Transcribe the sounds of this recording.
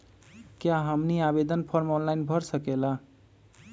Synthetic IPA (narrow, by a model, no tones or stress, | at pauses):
kjaɦəmniabed̪ənpʰɔɾmɔnlajnbʱʌɾsəkela